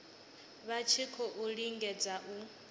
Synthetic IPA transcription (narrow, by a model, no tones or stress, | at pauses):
βat͡ʃʰikʰɔʔuɺiŋɡɛd͡zaʔu